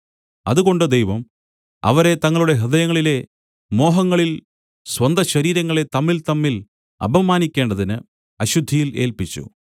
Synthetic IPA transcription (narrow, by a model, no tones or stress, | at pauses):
ɐðuɣo̞ɳɖɨd̪ejʋɐm | ɐ̰ʋɐɾe̞t̪ɐŋːɐɭuɽe̞ɦid̪ɐjɐŋːɐɭile̞ | mo̞ːɦɐŋːɐɭil | swɐnd̪ʱɐɕɐɾiːɾɐŋːɐɭe̞t̪ɐmːilt̪ɐmːil | ɐ̰bʱɐmaːnikʲːe̞ːɳɖɐðinɨ | ɐɕud̪ʱːijile̞ːlpit͡ɕːṵ